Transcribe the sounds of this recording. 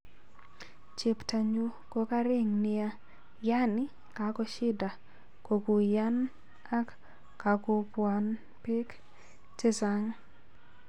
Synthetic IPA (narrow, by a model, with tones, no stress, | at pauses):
t͡ʃe˨pta˨ɲu˦ko˦ka˦ɾɪ˦ŋnɪ˨a˦ | ja˦nɪ˦ | ka˨kɔ˦ʃɪ˦da˨ | ko˨ku˨ja˦n | a˦kː | a˨ko˦pwa˨n | pe˦k | t͡ʃe˦sa˦ŋ